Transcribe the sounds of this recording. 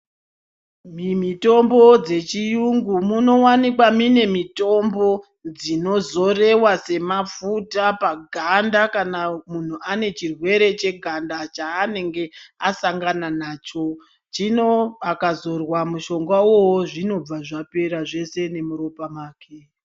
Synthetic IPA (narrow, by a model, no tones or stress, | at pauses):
mimito̞mbo̞d͡ze̞t͡ʃijuŋɡumuno̞wanikwamine̞mito̞mbo̞ | d͡zino̞zo̞re̞wase̞mafutapaɡʱandakanamun̤uʔane̞t͡ʃirwe̞ɾe̞t͡ʃe̞ɡʱandat͡ʃaːne̞ŋɡe̞asaŋɡananaːt͡ʃo̞ | t͡ʃino̞akazo̞rwamuʃo̞ŋɡwawo̞woʐino̞b͡vaʐape̞ɾaʐe̞se̞ne̞muɾo̞pamaːkʰe